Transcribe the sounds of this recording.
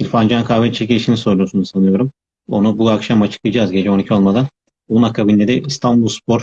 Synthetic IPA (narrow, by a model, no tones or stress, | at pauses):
iɾʲfand͡ʒankʰaːvɛt͡ʃʰekciiʃiniso̞ɾlˠusunuzsanɯjo̞ɾum | o̞̰nubuakʃamat͡ʃʰɯ̥klˠɯjd͡ʒazɟe̞d͡ʒɛo̞nicʰio̞lˠmad̪an | onakʰabind̪ɛd̪ɛist̪ʰanbulˠspʰoɾ